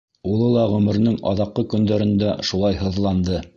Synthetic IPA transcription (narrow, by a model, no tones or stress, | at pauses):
ulˠɤlˠɑʁɵ̆mɵ̆ɾnɘŋɑ̰ðɑqːɤkɵ̆nd̪æɾɘ̆nd̪æʃulˠɑjɦɤ̆ðlˠɑnd̪ɤ